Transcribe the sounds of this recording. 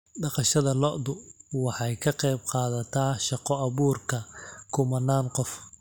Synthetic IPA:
ɖɑqɑʃɐðɐlɔʔd̪ʊwɑħɑjkʰɐqɛjb̚qɑːðɐt̪ʰaːʃɑqɔɐβuːrkʰɐkʰʊmɐnːaːnqɔf

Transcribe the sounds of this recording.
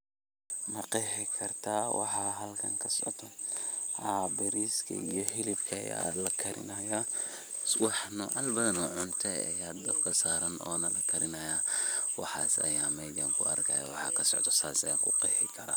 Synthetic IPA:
mɐqɛːħɪkʰɐrt̪ʰaːwɑ̰ħɑɦɐlkʰɐŋkʰɐsɔ̰ʕt̪ʰɔhabɛɾiːskʰɐ̰ijɔɦɪlɪbkʰɐɐ̰ja̰ːlɐkʰɐɾʔɪ̰nɐja | wɑħnʊʔɐlbɐðɐnɔʕʊnt̪ʰɛɐ̰jaːd̪ɐbkʰɐsaːɾɐnɔːnɐlɐkʰɐɾɪnɐjaːwɑ̰ħɑ̰ːsɐ̰jaːmɛjd̪ɐŋkʰʊ̰ɐ̰rkʰɐjɐ̰wɑħɑ̰ːkʰɐsɔ̰ʕt̪ʰɔsaːsɐjaːŋkʰʊqɛːħɪkʰɐɾa

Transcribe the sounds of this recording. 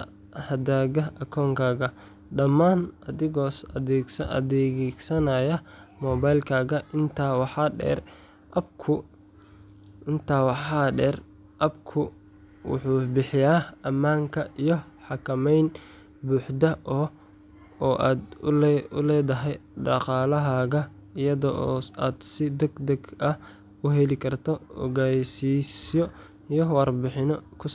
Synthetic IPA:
hɐd̪aːɣɐɐkʰɔːŋkʰaːɣɐ | ɖɐmaːnɐðɪɣɔːsɐɛɡsɐ̰d̪ɛɡsɐnɐjɐmɔːbajlkʰaːɣɐʔɪnt̪ʰaːwɑħɑɖɛ̰ːr | ʔɐb̚kʰʊ | ɪnt̪ʰaːwɑħɑːɖɛːr | ʔɐb̚kʰʊ | wʊ̰ħuːbɪħɪjaːɐmaːŋkʰɐijɔħɑkʰɐmɛjn | buːħd̪ɐʔɔː | ʔaːd̪ʊ̰lɛːðɐɦɛjɖɑqɑːlɐɦaːɣɐ | ɪjɐðɔʔɔːaːd̪sɪd̪ɛɡd̪ɐɡɐh | ʊɦɛlɪkʰɐrt̪ʰɔɔ̰ɣajsiːsjɔ | ijɔwɑrbɪħɪnɔkʰʊs

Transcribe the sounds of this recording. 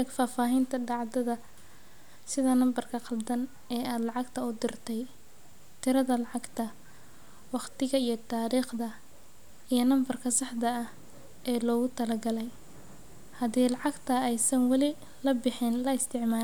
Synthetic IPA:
ɛɡfaːfaːɦɪnt̪ʰɐɖɑʕd̪ɐðɐ | sɪðɐnɐmbɐrkʰɐqɑld̪ɐn | ɛːaːd̪lɑʕɑɡt̪ʰɐʊd̪ɪrt̪ʰɛj | t̪ʰɪɾɐðɐlɑʕɑɡt̪ʰɐ | wɑqt̪ɪɣɐijɞt̪ʰaːɾiːχd̪ɐ | ijɞnɐmbɐrkʰɐsɑħd̪ɐːh | ʔɛːlɔːɣʊt̪ʰɐlɐɡɐlɛj | hɐðiːlɑʕɑɡt̪ʰɐɛjsɐnwɑlɪ | lɐbɪħɪnlɐɪst̪ʰɪʕmaː

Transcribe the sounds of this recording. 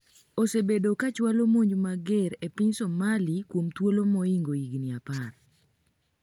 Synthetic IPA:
osebedokat͡ʃwalomoɲd͡ʒumaɡeɾepiɲsomalikwomt̪wolomɔiŋɡoiɡniapar

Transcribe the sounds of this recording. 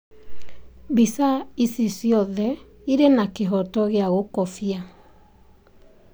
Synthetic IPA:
bisaisisjɔðɛ | iɾenakeɦɔtɔɣeaɣokɔfia

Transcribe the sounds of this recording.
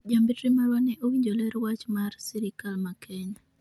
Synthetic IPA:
ɟaːmbitɾimaɾwaneʔowiɲɟoleɾwat͡ʃmaɾsiɾikalmakʰeɲa

